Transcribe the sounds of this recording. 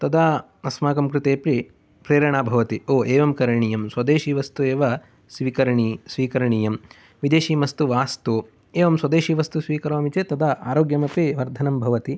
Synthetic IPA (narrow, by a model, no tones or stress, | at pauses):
t̪ɐd̪aː | ɐsmaːkɐmkɾɪt̪eːpɾi | pɾeːɾɐɳaːbʱɐʋɐt̪ioːʔeːʋɐmkɐɾɐɳijɐmswɐd̪eːʃiːʋɐst̪ueːʋɐ | sʋiːkɐɾɐɳisʋiːkɐɾɐɳijɐm | ʋid̪eːʃiːmɐst̪uʋaːst̪oː | eːʋɐmswɐd̪eːʃiːʋɐst̪usʋiːkɐɾoːɐmit͡ʃeːt̪ɐd̪aa̰ːɾoːɡjɐmɐpiʋɐɾd̪ʱɐnɐmbʱɐʋɐt̪i